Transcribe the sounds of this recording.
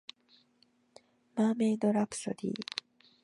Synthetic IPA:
maːmẽd̪oɾapɯ̥so̰d̪ʲḭː

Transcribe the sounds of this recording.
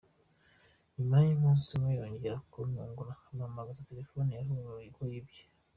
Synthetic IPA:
imaɲimuːnsimwejoɲɟeɾakomuːŋɡunahamamaɡazate̞ɾe̞fonijahuumaikoibjḁ

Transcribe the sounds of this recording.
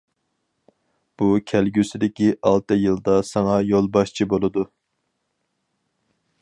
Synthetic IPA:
b̥ukʲʰælɡʲysɪd̪ɪkʲiʔɑlˠt̪ɨjɨlˠd̪ɑsɑŋɑjolˠbɑʃt͡ʃʰibolˠɨd̪u

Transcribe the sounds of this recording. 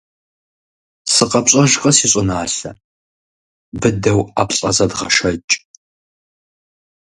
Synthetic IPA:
sɨqɐpɕʼɐʒqʼɐsiːɕʼʊnaːɬɐ | bɨdɐwa̰ːpɬʼɐzɐdʁɐ̰ʃɐt͡ʃʼ

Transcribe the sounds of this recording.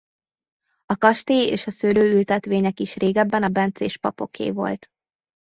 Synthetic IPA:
ɒkɒʃt̪eːeːʃɒsøːløːylt̪ɛt̪ʋeːɲɛkiʃreːɡɛbːɛnɒbɛnt̪sḛːʃpɒ̰po̞̰kʰḛːvo̞̰lt̪

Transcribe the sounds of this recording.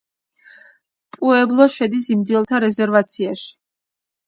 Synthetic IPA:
pʼuɛblˠɔʃɛd̪isimd̪ilˠt̪ʰaɾɛzɛɾvat̪sʰiaʃi̥

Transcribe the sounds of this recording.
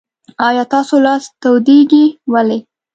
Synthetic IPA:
ɑjɑt̪ɑsolɑst̪awd̪eɡiwale

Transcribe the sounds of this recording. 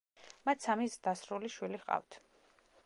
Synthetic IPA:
mat̪ʰsamisd̪asɾuliʃwiliqʼa̰ft̪ʰ

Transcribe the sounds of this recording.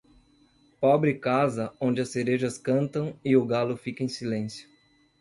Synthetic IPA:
pɔbɾɪkazɐõd͡ʒɪɐseɾeʒɐskɐ̃nt̪ɐ̃w̃ɪʊɡalʊfikɐẽj̃silẽsjʊ̥

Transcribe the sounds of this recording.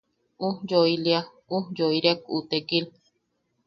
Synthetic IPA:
ud͡ʒoilia | ud͡ʒoiɾeakṵt̪ekil

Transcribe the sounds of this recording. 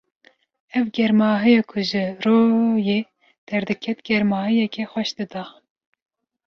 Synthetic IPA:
ɛvɡɛɾmɑːɦɨjɛkʰʊʒɨroːjeː | d̪̥ɛɾd̪ɨkʰɛt̪ɡ̥ɛɾmɑːɦɨjɛkʰɛxwɛʃd̪ɨd̪ɑ

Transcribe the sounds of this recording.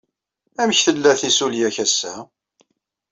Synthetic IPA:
æməçθəlːæθisuljæçæsːæ

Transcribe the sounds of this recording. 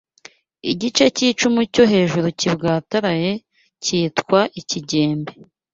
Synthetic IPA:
iɟit͡ʃe̞ciːt͡ʃumucoɦe̞ːʒuɾucibɡaːtaɾaje̞ | ciːtkwaʔiciɟe̞ːmbe

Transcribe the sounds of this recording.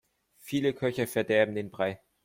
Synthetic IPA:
fiːləkʰœçɐfɛɐdɛɐbm̩d̥eːnb̥ʁaɪ

